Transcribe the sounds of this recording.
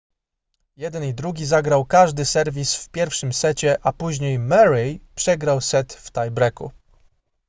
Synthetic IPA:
jɛd̪ɛnid̪ɾuɡʲizaɡɾawkaʐd̪ɘsɛɾvʲisfpʲjɛɾfʂɘmsɛt͡ɕɛʔapuʑɲejmɛɾipʂɛɡɾawsɛt̪ft̪ajbɾɛkṵ

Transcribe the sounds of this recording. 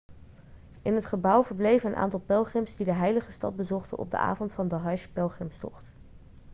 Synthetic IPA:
ʔɪnɦətχəbʌwvəɹblejvənənʔa̰ːntɑlˠpɛlˠχɪmsdidəɦɛjləχəstɑ̰d̚bəzɔχtə̰nʔɔ̰b̚də̰ʔa̰ːvɔntfɑndəɦɑjʃpɛlˠχɪmstɔ̰χt

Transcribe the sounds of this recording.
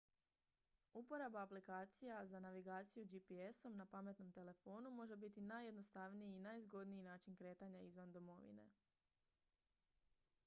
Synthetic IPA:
upo̞ɾabaːplikaːt̪sijazanaʋiɡaːt̪sijud͡ʒipieso̞mnapame̞t̪no̞mt̪e̞le̞fo̞ːnumo̞ʒe̞bit̪inajːed̪no̞st̪aʋnijiːnajzɡo̞d̪niinaːt͡ʃinkɾe̞ːt̪aɲaizʋand̪o̞mo̞ʋḭne̞̰

